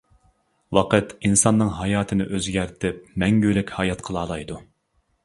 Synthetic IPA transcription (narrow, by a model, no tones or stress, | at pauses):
wɑqət̪insɑnːɨŋɦɑjɑːt̪ʰɨnɪʔøzɡʲæɾt̪ʰɪp̚mɛŋɡʲyɾɪkʲhɑjɑt̪qʰəlˠɑːlˠɑjd̪u